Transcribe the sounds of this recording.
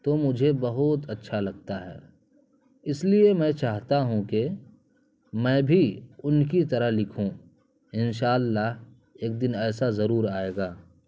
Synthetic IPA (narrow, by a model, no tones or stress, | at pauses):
t̪omʊd͡ʒʱebɐɦʊt̪ɐtːʃʰalɐɡ̚t̪aɦɛ̰ː | ɪsliemɛ̃t͡ʃaːɦt̪aɦũke | mɛ̃ːbʱiʊnkit̪ɐɾəɦlɪkʰũ | ɪnʃaːlːaɦ | eːk̚d̪ɪnɛːsazɐɾuːɾaːeːɡaː